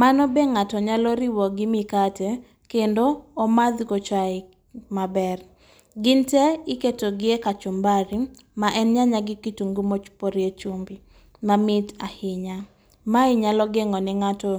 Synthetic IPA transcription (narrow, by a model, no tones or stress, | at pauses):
manɔbeŋatɔɲalɔɾɪwɔɡɪmikate | kendoːmad̪kot͡ʃaɪ | mabɛr | ɡɪntɛɪketoɡɪekat͡ʃɔmbaɾi | maʔɛnɲaɲaɡɪkituŋɡumot͡ʃpoɾjet͡ʃumbi | mamɪtahɪɲa | maɪɲalɔɡeŋɔnɪŋatɔ